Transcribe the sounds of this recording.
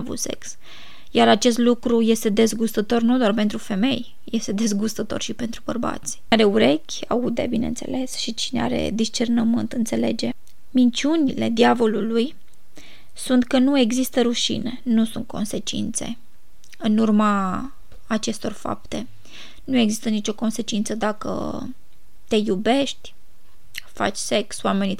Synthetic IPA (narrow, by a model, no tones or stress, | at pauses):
vṵt̪se̞̰ks | jaɾat͡ʃe̞st̪lukɾuje̞st̪e̞d̪e̞zɡust̪ət̪o̞rnud̪oarpe̞nt̪ɾufe̞me̞j | je̞st̪e̞d̪e̞zɡust̪ət̪o̞̰rʃipe̞nt̪ɾubərba̰t̪sʲaɾe̞uɾe̞kʲa̰ud̪e̞̰bine̞̰nt̪se̞̰le̞sʃit͡ʃinea̰ɾe̞̰d̪ist͡ʃe̞rnəmɨnt̪ɨnt̪se̞le̞̰d͡ʒe̞ | mint͡ʃiunile̞̰d̪iavo̞luluj | sunt̪kənue̞ɡzist̪əɾuʃḭne̞nusunt̪̚kʰo̞̰nse̞t͡ʃḭnt̪se̞̰ | ɨnurmaː | t͡ʃe̞st̪o̞rfa̰p̚t̪e̞ | nue̞ɡzist̪ənit͡ʃo̞ko̞nse̞t͡ʃint̪səd̪akə̰ | t̪e̞jube̞ʃt̪ʲ | fa̰t͡ʃʲse̞kswame̞ni